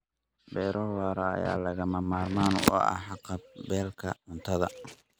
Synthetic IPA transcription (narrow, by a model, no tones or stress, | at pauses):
bɛːɾʔɔwaːɾɐɐ̰ja̰ːlɐɣɐmɐmaːrmaːnɔ̰ːɐ̰ħɑqɑb̚bɛːlkʰɐʕʊnt̪ʰɐðɐ